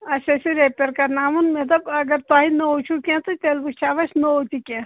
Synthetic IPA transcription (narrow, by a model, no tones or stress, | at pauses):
ɐsɐsiɾepʲeɾkɐnaːmunmet̪ɐbɐɡɐɾt̪aːɦinɐot͡ʃʰukʲẽt̪ut̪elbut͡ʃʰaːʋɐʃnoot̪ikʲẽ